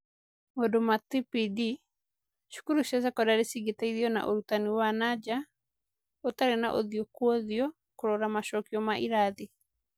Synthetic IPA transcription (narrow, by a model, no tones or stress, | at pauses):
modomat̪ipidi | ʃu̥kuɾuʃasakɔdaɾesiɡetaiðiɔna̰ʔoɾutaniwanad͡ʒa | otaɾenaʔo̰ðjɔkwɔðiɔ | koɾɔɾamaʃɔkiɔmaʔiɾaði